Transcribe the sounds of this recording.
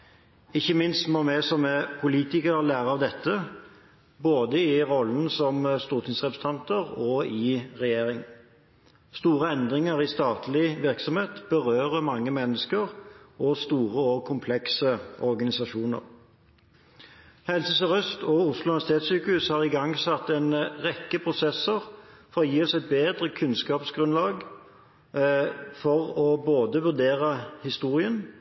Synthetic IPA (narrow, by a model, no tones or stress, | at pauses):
ɪçːəmɪnst̪mɔmæsɔmɛpʰʊliːt̪ɪkəʁəlæːʁəɑʋd̪ɛt̪ʰːə | boːd̪əɪʁɔlənsɔmst̪uːʁt̪ʰɪŋsʁɛpʰə̥sə̥t̪ʰɑnt̪əʁɔɪʁɛjeːʁɪŋ | st̪uːʁəɛnd̪ʁɪŋəɾɪst̪ɑːt̪ʰlɪʋɪʁksɔmheːt̪b̥əʁøːʁəmɑŋːəmɛnːəskəʁɔst̪uːʁəɔkʰʊmpʰlɛksəɔʁɡɑnɪsɑʃuːnə̰ʁ | hɛlsəsɔʁœst̪ʰɔʊslʊnsɪt̪ʰeːt̪syːkəʉːshɑːʁɪɡɑŋːsɑt̪ːɛnʁɛkːəpʰʁʊsɛsəʁfɔʁɔjiːɔsɛɪt̪̚beːd̪ʁəkʰʉnskɑːpsɡʁʉnlɑːɡ | fɔʁɔboːd̪əʋʉʁd̪eːʁəhɪst̪uːʁɪən